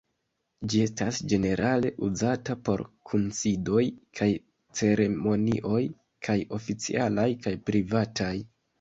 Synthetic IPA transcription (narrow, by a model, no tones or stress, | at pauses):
d͡ʒie̞stasd͡ʒe̞ne̞ɾʔale̞̰ʔuzatapo̞̰ɾkʰunsido̞jkʰaj | t͡se̞ɾe̞mo̞nḭʔo̞j | kʰajo̞fit͡sḭʔalajkajpɾivataj